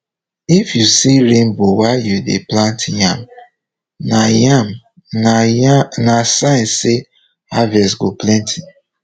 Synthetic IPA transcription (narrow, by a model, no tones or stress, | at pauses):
ifjusiɹẽnbowajudḛplãntjãm | najam | nasãɪ̃nse | avɛsɡoplɛ̃ntʰi